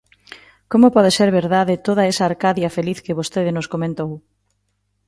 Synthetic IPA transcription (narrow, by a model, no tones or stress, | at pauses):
komopɔð̞eseɾβeɾðaðɪt̪oðɐesaːɾkaðjɐfeliθkeβost̪eðɪnoskomẽnt̪ow